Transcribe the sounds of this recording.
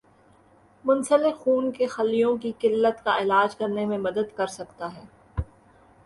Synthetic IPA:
mʊnsəlɪxuːnkexɐlːijõkikɪlːət̪kaɪlaːd͡ʒkɐɾnemẽmɐd̪əd̪kɐɾsɐkt̪aɦɛː

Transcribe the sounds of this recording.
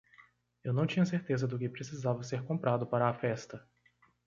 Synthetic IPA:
ewnɐ̃w̃t͡ʃĩɲɐseɾt̪ezɐd̪ʊkɪpɾesizavɐseɾkõpɾad̪ʊpaɾɐːfɛst̪ɐ

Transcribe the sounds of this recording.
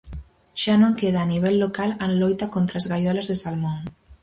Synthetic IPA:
ʒ̥anoŋkeðaːniβ̞eʎːokalənlɔjt̪akont̪ɾazɣajɔlezðesalmon

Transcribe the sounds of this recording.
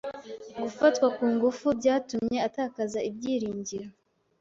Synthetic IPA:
ɡufatkwakuːŋɡufubɟaːtumɲe̞ataːkazaʔibɟiːɾiːɲɟiɾo

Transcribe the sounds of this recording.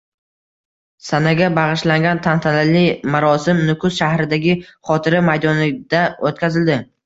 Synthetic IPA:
sanaɡʲabaʁɨʃlaŋɡʲant̪ʰant̪ʰalɪlɪmaɾɒsɪmnʊkʰʊsʃahɾɪd̪aɡʲɪχɒt̪ʰɪɾɪmajd̪ɒnɪd̪̥aot̪kʲazɪld̪ɪ

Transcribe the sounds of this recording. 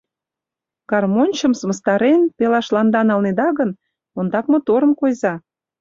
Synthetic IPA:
kɑrmonʲt͡ɕəmsəmə̆st̪ɑɾenp̪elɑʃlɑnd̪ɑnɑlned̪ɑɣən | ond̪ɑk̚mŏt̪oɾə̆mkojzɑ

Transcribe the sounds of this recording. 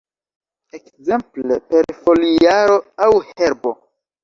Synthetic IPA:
ekze̞mplḛpe̞ɾfo̞liaɾo̞awhe̞ɾbo̞

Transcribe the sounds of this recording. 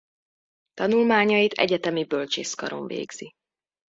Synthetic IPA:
t̪ɒnulmaːɲɒjit̪ʰɛ̰ɟɛt̪ɛmibølt͡ʃeːskɒ̰ɾo̞̰ɱvḛːɡz̥i

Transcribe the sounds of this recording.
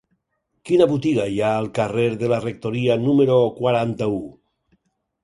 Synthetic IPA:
kinaβut̪iɣajaːlˠkareɾðelarek̚t̪oɾianumeɾokwaɾant̪au

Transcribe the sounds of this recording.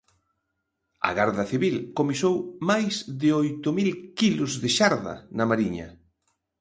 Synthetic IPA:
ɐ̰ɣaɾðɐθiβilkomisowmajsðɪojt̪ʊmilkilʊzðɪʃaɾðɐ̰nɐmaɾiɲɐ̰

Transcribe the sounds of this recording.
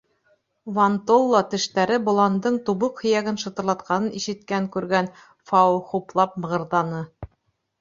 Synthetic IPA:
vant̪olˠːɑt̪ɘ̆ʃt̪æɾɘbŏlˠɑnd̪ɤɴt̪uβɤqhɵ̆jæɡɘnʃɤ̆t̪ɤ̆ɾlˠɑt̪̚qʰɑnɤniʃɘ̆t̪̚kæŋkʉɾɡæn | fɑχuplˠɑp̚mɤ̆ʁɤ̆ɾðɑnɤ

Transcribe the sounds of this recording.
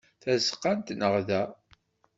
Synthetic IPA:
θæzqːant̪nəʁðæ

